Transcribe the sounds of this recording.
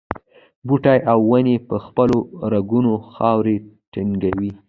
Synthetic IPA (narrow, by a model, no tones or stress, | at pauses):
buʈajʔawːanepəxpəloɾaɡunoxɑwɾe | ʈiŋɡawi